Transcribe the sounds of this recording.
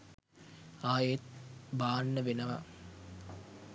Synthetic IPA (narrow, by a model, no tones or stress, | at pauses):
aːjet̪̚baːnːəʋenəʋɐ̰